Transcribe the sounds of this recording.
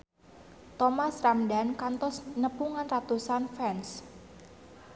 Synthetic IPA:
t̪ɔmasramdankant̪ɔsnəpuŋanrat̪usanfɛns

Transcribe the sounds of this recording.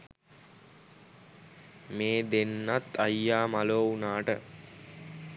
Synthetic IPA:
meːd̪enːat̪ːajːaːmaloːunaːʈə̰

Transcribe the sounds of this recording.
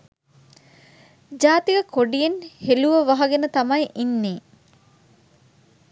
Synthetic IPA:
d͡ʒaːt̪iɡɐkʰoɖijenheluʋəʋɐɦɐɡenət̪ɐmɐjʔinːeː

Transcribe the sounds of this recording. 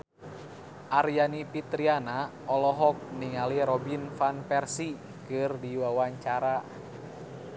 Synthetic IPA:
ʔarjanipit̪ɾiana | ɔlɔɦɔk̚niŋaliɾɔbinfanpɛrsi | kɨrdiwawaɲt͡ʃaɾa

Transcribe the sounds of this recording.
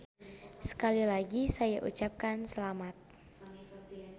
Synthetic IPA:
sə̥kalilaɡisajaʔṵt͡ʃap̚kansəlamat̪̚

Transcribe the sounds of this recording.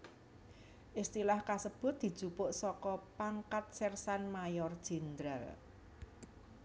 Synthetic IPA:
ʔist̪ilahkasəb̥ʊ̤t̪̚d̥̪i̤̥ʒ̥upʊʔsɔkɔpaŋkat̪̚sɛrsanmajɔrd̥ʒ̥i̤nd̪ɾal

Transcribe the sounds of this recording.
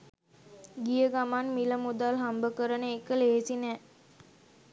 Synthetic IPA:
ɡijəɡamanmiləmud̪alɦambəkəɾənəekəleːsinɛ

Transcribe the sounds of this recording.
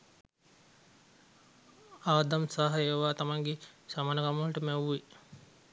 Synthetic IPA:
aːd̪amsaːɦɐeːʋaːt̪amaŋɡesamaːnəkaməlʈəmɛwʋi

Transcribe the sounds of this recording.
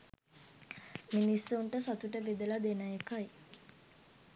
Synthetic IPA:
minisːuɳʈəsat̪uʈəʋed̪əlad̪enəjekaj

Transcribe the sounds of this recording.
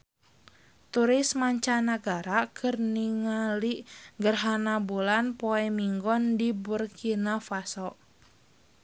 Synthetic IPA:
t̪uɾismaɲt͡ʃanaɡaɾakʰɨrniŋaliʔɡərɦanabulanpɔɛmiŋɡɔndiburkʰinafasɔʔ

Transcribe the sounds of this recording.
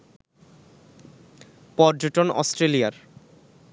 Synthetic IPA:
pɔɾd͡ʑoʈonɔ̰sʈɾelijaɾ

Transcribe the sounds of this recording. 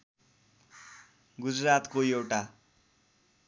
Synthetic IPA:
ɡud͡zrat̪koewʈa

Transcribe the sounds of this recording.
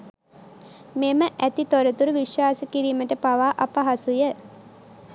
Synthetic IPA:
meməʔæt̪it̪oɾət̪uɾuʋiʃwaːsəkiɾiːməʈəpaʋaːʔapaɦasujə

